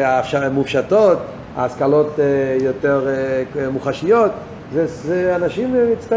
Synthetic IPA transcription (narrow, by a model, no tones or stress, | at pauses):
afʃamufʃatot̪ | a̰ːskalot̪jot̪eʁmuχaʃijot̪ | zɛzɛanaʃimmit͡st̪a